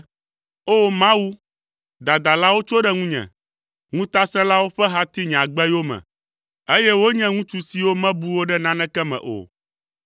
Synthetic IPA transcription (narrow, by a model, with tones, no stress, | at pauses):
o˦mã˦wu˦ | d̪a˨d̪a˨la˦wo˦t͡ʃo˦ɖɛ˦ŋũ˦ɲɛ̰̃˨ | ŋũ˦t̪a˦sɛ̃˦la˦wo˦ɸɛ˦ɦa˦t̪i˦ɲ̃˨ã˨ɡ͡bɛ˦jo˦mɛ̰̃˨ | e˦jɛ˦wo˦ɲɛ̃˦ŋũ˦t͡ʃu˦si˨wo˦mɛ̃˦bu˦wo˦ɖɛ˦nã˦nɛ̃˦kɛ˦mɛ̰̃˨ʔo̰˨